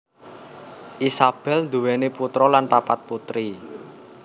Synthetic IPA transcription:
ʔisab̥ɛlnd̪uwɛneput̪ɾɔlanpapat̪̚put̪ɾi

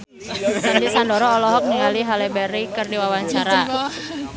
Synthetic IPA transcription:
sadisandɔɾɔːlɔɦɔk̚niŋaliɦalɛbɛɾikərdiwawaɲt͡ʃaɾa

